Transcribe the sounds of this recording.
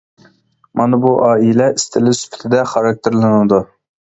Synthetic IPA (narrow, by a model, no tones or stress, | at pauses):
mɑnɨbuʔɑːilɛist̪ʰɪlɪsy̥pʰɪ̥t̪ʰɪd̪ɛχɑɾɑk̚t̪ʰeɾlˠɨnɨd̪u